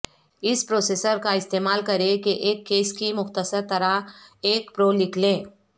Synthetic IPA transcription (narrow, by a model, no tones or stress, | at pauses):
ɪspɾoːseːsəɾkaɪst̪eːmaːlkɐɾẽkeʔeːkːeːskimʊxt̪əsəɾt̪ɐɾaɦeːkpɾoːlɪkʰlẽː